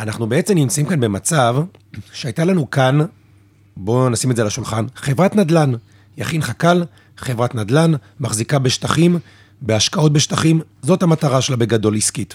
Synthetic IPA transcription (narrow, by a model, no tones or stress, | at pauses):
anaχnubeet͡se̞mnimt͡saimkanbemat͡savʃeajtalanukan | bo̞nasimetzelaʃulχanχe̞vʁatnad̪lan | jaχinχakal | χevʁatnadlanmaχzikabe̞ʃtaχim | beaʃkao̞t̚be̞ʃtaχimzo̞thamataʁaʃelabe̞ɡado̞liskit